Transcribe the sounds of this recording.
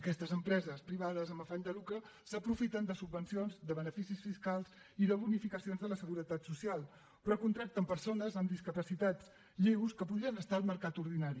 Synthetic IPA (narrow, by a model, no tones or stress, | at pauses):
əkɛst̪əzəmpɾɛzəspɾiβ̞að̞əzəməfaʎd̪əlukɾə | səpɾufit̪ənd̪əsubːənsionzd̪əβənəfisisfiskalˠz | iðəβunifikəsionzðələsəɣuɾət̪at̪susialˠ | rəkunt̪ɾak̚t̪əmpəɾsonəzəmd̪iskəpəsit̪at͡s | ʎewskəpuðɾiənəst̪aːlˠməɾkat̪uɾð̞inaɾi